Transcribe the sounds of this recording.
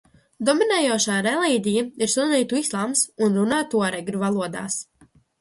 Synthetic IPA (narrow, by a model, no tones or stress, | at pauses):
d̪ɔminɛːjuɔʃaːɾɛlˠiːd̪ʲijaiɾsuniːt̪uislˠaːmsunɾunaːt̪uɔɾɛɡɾʲuvalˠuɔd̪a̰ːs